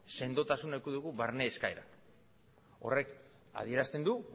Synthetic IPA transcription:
se̞nd̪o̞t̪asunekuðuɣuβaɾne̞ːskaeɾa̰n | o̞̰re̞k | a̰ð̞ie̞ɾast̪e̞nd̪u

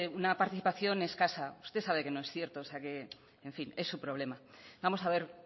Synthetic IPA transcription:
unapaɾt̪iθipaθjo̞ne̞skasaust̪e̞saβe̞ke̞no̞e̞sθje̞ɾt̪oːseake̞ | eɱfine̞sːupɾo̞β̞le̞mabamo̞saβe̞ɾ

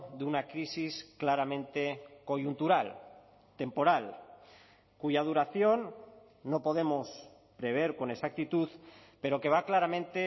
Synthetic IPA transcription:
ðeunakɾisisklaɾamẽ̞nt̪e̞ko̞ʝunt̪uɾal | t̪e̞mpo̞ɾal | kuʝað̞uɾaθjo̞nː | o̞po̞ð̞e̞mo̞s | pɾe̞β̞e̞ɾko̞nesak̚t̪it̪uðpe̞ɾo̞ke̞β̞aklaɾamẽ̞nt̪e

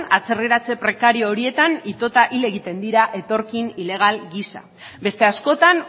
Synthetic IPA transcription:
at͡se̞riɾat͡se̞pɾe̞kaɾio̞ːɾie̞t̪anit̪o̞t̪aʔile̞ɣit̪e̞nd̪iɾaʔe̞t̪o̞ɾkinile̞ɣ̞alɡisa̰ | be̞st̪e̞asko̞t̪an

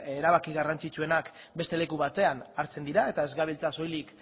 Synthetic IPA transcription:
eɾaβakiɣarant͡sit͡sue̞nak | be̞st̪e̞le̞kuβat̪e̞anaɾt͡se̞nd̪iɾae̞t̪ae̞zɣaβilt͡saso̞jlik

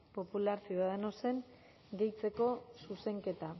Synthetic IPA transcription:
po̞pulaɾsioaðeno̞se̞ŋ | ɡe̞jt͡se̞ko̞suse̞ŋke̞t̪a

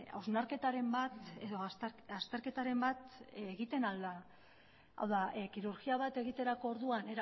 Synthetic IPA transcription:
a̰wznaɾke̞t̪aɾe̞mbat̪eðo̞asast̪e̞ɾke̞t̪aɾe̞mbat̪eɣit̪e̞nald̪a | a̰wðakiɾuɾɣiaβ̞at̪e̞ɣit̪e̞ɾako̞ːɾðuane̞ɾa

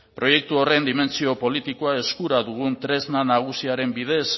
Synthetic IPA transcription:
pɾo̞je̞k̚t̪uo̞re̞nd̪ime̞nt͡sio̞po̞lit̪ikoae̞skuɾaðuɣ̞unt̪ɾe̞znanaɣ̞usiaɾe̞mbiðe̞s

